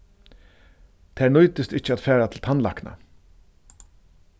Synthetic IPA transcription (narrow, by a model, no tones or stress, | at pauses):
t̪ʰæːnʊjt̪ɪst̪ɪht͡ʃːəat̪fæːɹat̪ʰɪlt̪ʰanla̰kna̰